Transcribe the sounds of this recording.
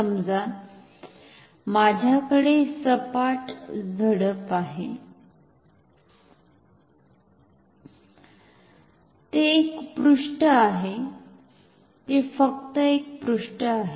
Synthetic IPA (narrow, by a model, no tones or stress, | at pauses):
əmd͡za | mad͡ʑʱjakəɽesəpaʈd͡zʱəɽəpaɦe | t̪eːkbɾuʂʈəaɦe | t̪efəkt̪əek̚bɾuʂʈəaɦe